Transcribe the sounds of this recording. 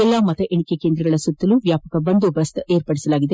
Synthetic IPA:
ɛlːaːmɐt̪ɐʔeɳikekeːnd̪ɾɐɡɐɭɐsut̪ːɐluʋjaːpɐkɐbɐnd̪obɐst̪eːɾpɐɽisɐlaːɡid̪e

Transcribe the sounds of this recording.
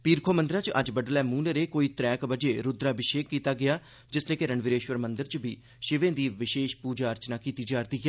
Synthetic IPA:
piːɾkʰoːmə̃nd̪ɾaːt͡ʃə̰d͡ʒbəɖlɛːmuːneɾeːkoːiːt̪ɾɛːkbəd͡ʒeːɾʊd̪ɾaːbɪʃeːkːiːt̪aːɡɪaː | d͡ʒɪsleːkeɾəɳʋɪɾeːʃʋəɾmənd̪əɾt͡ʃbiː | ʃɪʋẽːd̪iːʋɪʃeːʃpuːd͡ʒaːəɾt͡ʃnaːkiːt̪iːd͡ʒaːɾt̪iːɡɛː

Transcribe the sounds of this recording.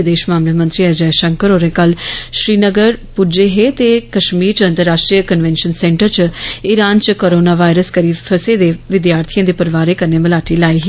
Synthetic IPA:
d̪eːʃmaːmlaːmə̃nt̪ɾiːɛd͡ʒɛːʃəŋkəɾoːɾẽːkəlʃɾiːnəɡəɾpud͡ʒeːɦet̪eːkəʃmiːɾt͡ʃə̃nt̪əɾːaːʃʈɾijəkənʋɛ̃ːnʃənsɛ̃ːɳʈəɾt͡ʃɪɾaːnt͡ʃkoːɾoːnaːʋaːɪɾəskəɾiːpʰəseːd̪eːʋɪd̪jaːɾt̪ʰijãːd̪eːpəɾɪʋaːɾeːkəɾneːməlaːʈiːlaːiɦiː

